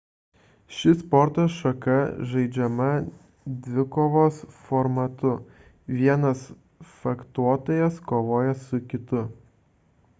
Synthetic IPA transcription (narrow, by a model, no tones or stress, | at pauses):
ʃʲɪspɔɾt̪oʃɐkɐʒɐɪd͡ʒʲɛmɐ | d̪ʲʋʲɪkoːʋoːsfɔɾmɐt̪ʊ | ʋʲiɛnɐs | fɐkt̪uɔt̪oːjɛskoːʋoːjɛsʊkʲɪt̪ʊ